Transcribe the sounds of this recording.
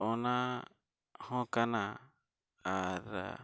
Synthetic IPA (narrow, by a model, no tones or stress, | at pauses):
onã | hõkanã | aɾa̰